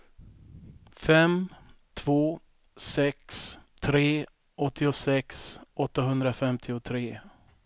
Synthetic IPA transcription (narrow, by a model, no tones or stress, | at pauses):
fɛmt̪ʰv̥oː | sɛkst̪ʰɾeː | ɔt̪ʰːɪʊsɛksɔt̪ːaɦɵnd̪ɾafɛmt̪ʰɪʊt̪ʰɾeː